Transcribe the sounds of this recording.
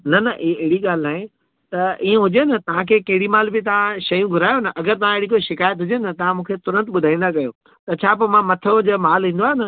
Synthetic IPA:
nɐnɐʔieɦɪɽiɠaːl̤ɪnaːɦẽ | t̪ɐiːẽɦʊd͡ʑenɐt̪ɐʋ̤ãkʰeːkɐ̃ɦɪɽimaːlbɪt̪ɐʋ̤ãʃɐjũɡʱʊɾaːjonɐʔɐɡəɾt̪ɐʋ̤ãɪɪɽik̬oʃɪkaːjət̪ɦʊd͡ʑenɐt̪ɐʋ̤ãmũːkʰet̪ʊɾə̃nt̪ɓʊd̪ʱaːĩːnd̪akɐjo | t̪ɐt͡ɕʰaːp̬omãmɐt̪ʰod͡ʑɐmaːlɦĩːnd̪aːɦnɐ

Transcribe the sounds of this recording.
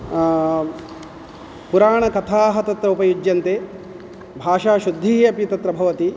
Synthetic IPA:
puɾaːɳɐkɐt̪ʰaːɦɐt̪ɐt̪ɾɐupɐjud͡ʒjɐnt̪eː | bʱaːʂaːʃud̪ʱːiːɦjɐpjit̪ɐt̪ɾɐbʱɐʋɐt̪i

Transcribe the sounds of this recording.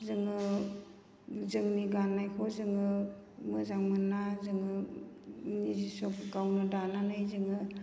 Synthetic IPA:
zɯŋɯ | zɯŋniɡanːajkʰɔzɯŋɯ | mɯzaŋmɯnːazɯŋɯ | nizisɔpɡawnɯdananajzɯŋɯ

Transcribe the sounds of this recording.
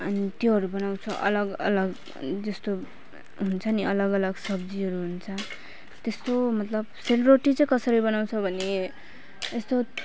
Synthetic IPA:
ʌnit̪joɦʌɾubʌnaw̃t͡sʰʌʔʌ̰lʌɡʌ̰lʌɡ | d͡zʌst̪o | ɦunt͡sʰʌniʌlʌɡʌlʌɡsʌbd͡ziɦʌɾuɦunt͡sʰʌ | t̪est̪omʌt̪lʌbselroʈit͡sʌĩkʌsʌɾibʌnaw̃t͡sʰʌbʱʌne | est̪o

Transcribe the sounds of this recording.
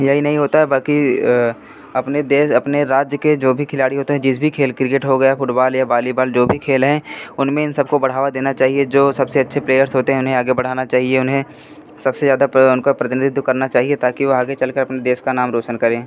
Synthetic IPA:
jɐɦinɐɦĩɦoːt̪aɦɛbɐlki | ɐpned̪eːʃɐpneɾaːd͡ʒjəked͡ʒoːbʱikʰɪlaːɽiɦoːt̪eɦɛ̃d͡ʒɪs̬bʱikʰeːlkɾɪkeʈɦoɡɐjafʊʈbaːljabaːlibaːld͡ʒoːbʱikʰeːlɦɛ̃ʊnmẽɪnsɐb̚kobɐɽ̤aːʋad̪eːnat͡ʃaːɦied͡ʒoːsɐbseɐtːʃʰepleːjəɾsɦoːt̪eɦɛ̃ʊnɦẽaːɡebɐɽ̤aːnat͡ʃaːɦieʊnɦẽ | sɐbsezjaːd̪aʊnkopɾɐt̪ɪnɪd̪ɪd̪ʱkɐɾnat͡ʃaːɦiet̪aːkiʋoaːɡet͡ʃɐlkɐɾɐpned̪eːʃkanaːmɾoːt͡ʃənkɐɾẽː

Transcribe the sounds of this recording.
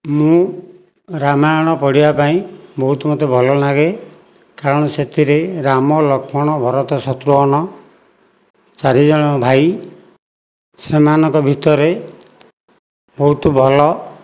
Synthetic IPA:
mũ | ɾamajɔɽ̃ɔpɔɽibapaĩbɔɦut̪mot̪ebʱɔlɔnaɡe | kaɾɔɽ̃ɔset̪iɾeɾamɔlɔkʰɔɽ̃ɔbʱɔɾɔt̪ɔsɔt̪ɾuɦɔɽ̃ɔ | t͡ʃaɾid͡ʒɔɽ̃ɔbʱaj | semanɔ̃ŋkɔbʱit̪ɔɾe | bɔɦut̪bʱɔlɔ

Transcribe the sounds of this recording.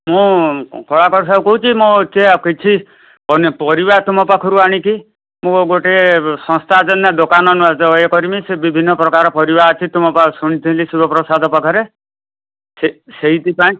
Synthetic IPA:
mũkʰɔɭakɔɾs̬abkɔɦut͡ʃʰimɔ̃t͡ʃekit͡ʃʰi | pɔnpɔɾiβaɾt̪umɔpakʰɔɾuaɽ̃iki | mũɡoʈesɔ̃st̪ʰad͡ʒɔnːad̪okanɔnuad͡ʒɔekɔɾimisebibʱinːɔpɾɔkaɾɔpɔɾibaɔt͡ʃʰit̪ʰumɔpasuɽ̃it̪ʰĩlisubʱɔpɾɔsad̪ʱɔpɔkʰɔɾe | seseɦit̪ipaĩ

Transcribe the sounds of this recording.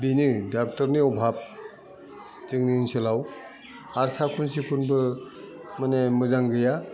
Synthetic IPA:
binɯdak̚tɔɾniɔbʱab̚ | tɯŋniŋsɯlaw | aɾsakʰunsipʰunbɯ | manemɯzaŋɡɯja

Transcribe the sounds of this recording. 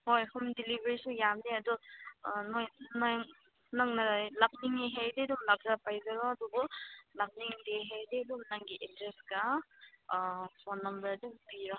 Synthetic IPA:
hojhumdilibeɾisujamniɐdɔ | nojnjŋ | naŋnalak̚niŋeɦejdedumlak̚zapajzaɾɔɐdubɔlak̚niŋdeɦejdedumnaŋɡiʔedɾesɡa | pʰɔnːɐmbɐɾdubiɾɔ

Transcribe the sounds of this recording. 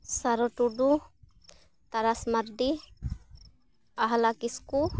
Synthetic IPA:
saɾɔʈuɖu | t̪aɾasmaɾɖi | aɦalakisku

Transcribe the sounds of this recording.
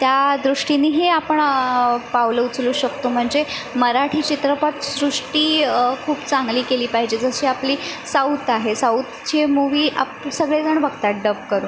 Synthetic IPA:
t̪jad̪ɾuʂʈiniːɦeapəɳpawləut͡sluːɕəkt̪om̤əɳd͡zeməɾaʈʰiːt͡ɕit̪ɾəpat̪sɾuʂʈiːkʰuːbt͡saŋɡliːkeliːpaɦid͡ʑed͡zəɕiːapliːsaut̪aɦesawt̪t͡ɕemuʋiːʔa̰psəɡɭed͡zəɳʋəɡt̪aɖəp̚kəɾuːn

